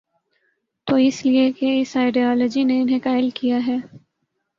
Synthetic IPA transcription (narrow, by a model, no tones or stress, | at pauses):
t̪oːɪsliekeɪsaːɪɖiɔːlɔd͡ʒineɪnɦẽkaːɪlkijaɦɛː